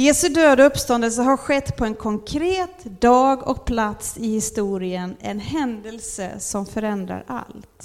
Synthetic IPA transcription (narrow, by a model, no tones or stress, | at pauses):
jeːsɵd̪øːd̪aɵpːst̪ɔnd̪əls̬əɦaɾɧɛt̪ːpʰɔɛnkʰɔŋkʰɾeːt̪d̪ɑːɡɔ̰k̚pʰlat̪sɪhɪst̪uːɾɪənɛ̰nɦɛnd̪əlsə̰sɔmfœɾɛnd̪ɾa̰ɾʔa̰lt̪